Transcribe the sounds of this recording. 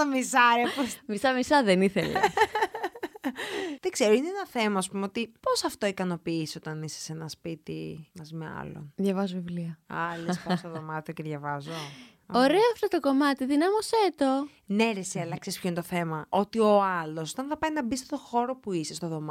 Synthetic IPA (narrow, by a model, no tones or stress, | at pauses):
ɐmisɐɾiɐpomisɐmisɐðeniθelḛ | ðeɡzeɾoineenɐθe̞mɐːspumeo̞t̪ipo̞sɐft̪o̞ikɐno̞piisio̞t̪ɐnise̥senɐspit̪ḭmɐzimeɐ̰lo̰nðʝɐvɐzovivliɐɐ̰lesɐst̪oðo̞mɐt̪ioceðʝɐvɐzo | oɾeoɐft̪ot̪oko̞mɐt̪iðinɐmoset̪o | ne̞ɾesiɐlɐksespçoinet̪oθe̞mɐo̞t̪io̞ɐlo̞sot̪ɐnθɐpɐjinɐbist̪et̪o̞xo̞ɾo̞puisest̪oðo̞mɐ